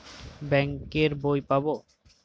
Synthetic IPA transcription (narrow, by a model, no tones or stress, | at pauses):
bɛŋkeɾbojpabo